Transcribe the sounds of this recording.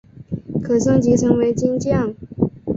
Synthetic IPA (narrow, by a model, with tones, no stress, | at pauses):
kʰɤ˨˩sɤ˥˩ŋt͡ɕi˧˥ʈ͡ʂʰɤ˧˥ŋwe˧˥ɪt͡ɕi˥nt͡ɕjɑ˥˩ŋ